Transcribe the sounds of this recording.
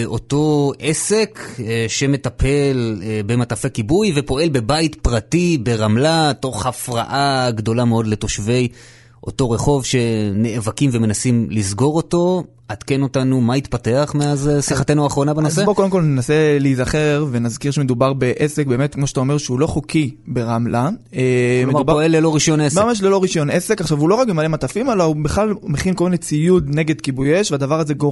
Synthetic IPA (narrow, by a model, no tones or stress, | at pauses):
o̞to̞ʔe̞se̞kʃe̞me̞tapʰe̞lbe̞matafekibujve̞po̞e̞lbe̞baitpʁatibe̞ʁamlato̞χhafʁa̰ʔaɡdo̞lame̞o̞dle̞to̞ʃve̞j | ʔo̞̰to̞ʁe̞χo̞vʃe̞ne̞ʔːvakimve̞me̞nasimlizɡo̞ʁo̞to̞ | at̪keno̞tanumait̪pate̞aχmeazesiχate̞nuaχʁo̞nabenozsebokodemkolnenase̞liizaχe̞ʁvenazkiʁʃemed̪ubaʁbe̞ʔesek̚be̞ːmet̪kmoʃeat̪aome̞ʁʃeulo̞χokʰibe̞ʁamla | meubaelːelo̞ʁiʃonesamaʃ̬lelo̞ʁiʃo̞nesekaχʃavulo̞ʁakbemalematafimelaubeχlalmeχinkolminet͡sijudne̞ɡe̞d̪kibujeʃveadavaʁazeɡo